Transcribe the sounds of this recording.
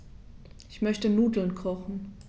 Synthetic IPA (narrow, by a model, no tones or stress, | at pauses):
ʔɪçmœçtənuːdl̩nkʁ̥ɔχn̩